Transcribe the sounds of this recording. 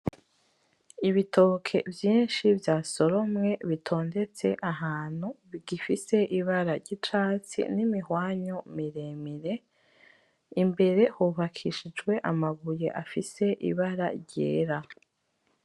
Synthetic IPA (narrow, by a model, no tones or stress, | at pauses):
iβitʰo̞kʰe̞vjiːnʃivjaːso̞ɾo̞mŋe̞βitʰo̞ːndet͡se̞̰ʔaɦaːn̥huβiɡifise̞ʔiβaɾaɾɟitɾaːt͡sḭnimihwaːɲomiɾemiɾe̞ | imbe̞ɾe̞huβakʰiʃid͡ʒɡwe̞ʔamaɡuje̞ʔafise̞ʔḭβaɾa̰ɾɟḛːɾa